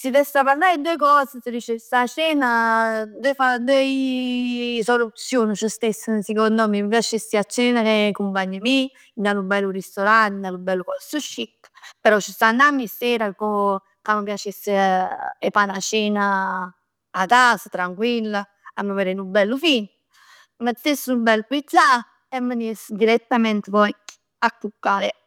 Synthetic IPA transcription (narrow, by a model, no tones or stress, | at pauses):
sid̪ɛsapaɾlːajid̪uekɔːsəsəɾit͡ʃesat͡ʃɛːnad̪ɛfad̪ɛj | solut̪sjoːnət͡ʃust̪esːəsikond̪ɔmipjat͡ʃisːiat͡ʃːɛnaɾekumpaɲːəmi | nanubɛlːuɾist̪oɾant̪nalubɛlːukɔsuʃikːpeɾɔt͡ʃːist̪anːamːisɛːɾako | kaməpjat͡ʃes | epanat͡ʃɛːnaː | t̪asət̪ɾaŋkwilːa | amːəvəɾenubɛlːufin | mət̪ːesːubɛlːupit̪la | emːənesd̪iɾɛt̪ːamɛnt̪vɔjk | akːukːaːɾe